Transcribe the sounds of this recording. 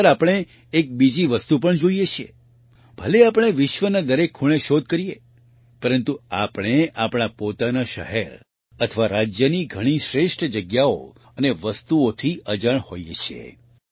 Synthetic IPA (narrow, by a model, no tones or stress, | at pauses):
ɾapɽ̃eː | k̚bid͡ʒiʋəst̪up̬əɳd͡ʒoijet͡ʃʰiḛ | bʱəleapɽ̃eʋɪʃʋənad̪əɾekʰːuɭ̃eʃod̪̚ʱkəɾije | pəɾənt̪uapɽ̃eapɽ̃apot̪anaʃə̰ɦeɾ | ət̪ʰəʋaɾad͡ʒjəniɡʱəɽ̃iʃɾeʃʈʰd͡ʒəɡjao̰ | əneʋəst̪uot̪ʰiəd͡ʒəɳho̰jet͡ʃʰiḛ